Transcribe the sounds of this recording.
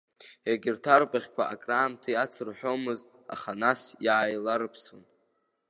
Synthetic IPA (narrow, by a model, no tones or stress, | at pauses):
jaɡʲɪrtʰarpʼaχʲkʷʰaʔakʼraːmtʰɨjat͡sʰɨrħᶣo̞mɨztʼa̰χanasjaajlaɾɨpʰsɨn